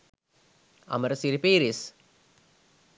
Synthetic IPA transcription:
ɐ̰mɐɾɐsiɾipeːɾis

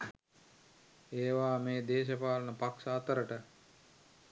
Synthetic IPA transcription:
eːʋaːmeːd̪eːʃəpaːlənəpaksaːt̪əɾəʈə

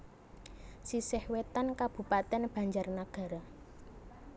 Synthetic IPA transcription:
sisɪhwet̪ankab̥ṳpat̪ɛnb̥ä̤ɲd͡ʒarnaɡ̥ä̤ɾa

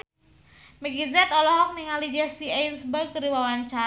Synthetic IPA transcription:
mɛɡizɛt̪ɔlɔɦɔk̚niŋalid͡ʒɛsiɛnsbək̚əɾiwawant͡ʃa

